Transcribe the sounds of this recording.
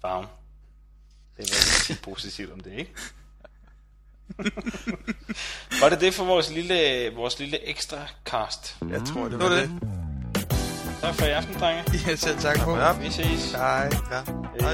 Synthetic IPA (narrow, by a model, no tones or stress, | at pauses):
fɑ̈ʊm | d̥ehʋæe̥sʰid̥̚pʰo̝ːsit͡sʰiʊd̥ɒ̽md̥e̝e̝ɡ̥ə | ʋɑ̈ɾe̝d̥e̝fɒ̽ʋɒːsliləʋɒːsliləʔeɡ̥sd̥ʁɑkʰɑ̰̈ːsd̥jɑt͡sʰʁoɐ̰ded | t͡sʰɑ̈ɡ̥fɒ̽iɑfd̥n̩d̥ʁɑŋəæsel̰t͡sʰɑɡ̥fɔʁisḭːsɑɪ